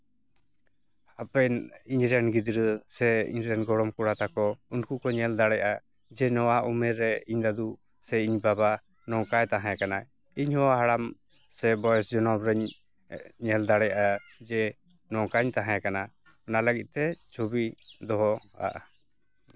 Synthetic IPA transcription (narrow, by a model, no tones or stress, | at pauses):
apɛniɲɾɛnɡid̪ɾəsɛḭɲɾɛnɡɔɽɔmkuɽat̪akɔunkukɔɲɛld̪aɽɛjʔa | d͡ʒɛnɔwaʔumɛɾɛiɲd̪ad̪u | sɛiɲbaba | nɔkajt̪aɦãjakana | iɲhɔwaɦaɽam | sɛbɔjɛsd͡ʒɔnɔbɾəɲ | ɲɛld̪aɽɛjaʔad͡ʒɛ | nɔkaɲt̪aɦãjakana | ɔnaləɡit̪̚ˀt̪ɛt͡ʃʰubid̪ɔɦɔa̰ʔ